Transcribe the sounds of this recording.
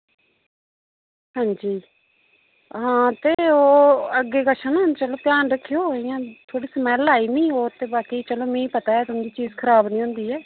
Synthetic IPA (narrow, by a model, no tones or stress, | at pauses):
ɦãːɲd͡ʒiː | ɦãːt̪eːoːəɡːeːkəʃʰənõnt͡ʃəloːpjaːnɾəkʰːejoːɦoijãːt̪ʰoːɽiːsmɛːlaːiːnĩːoːt̪eːbaːkiːt͡ʃəloːmẽːĩːpət̪aːɛːt̪ʊmd̪iːt͡ʃiːzkʰəɾaːbnĩːɦʊ̃nd̪iːɛː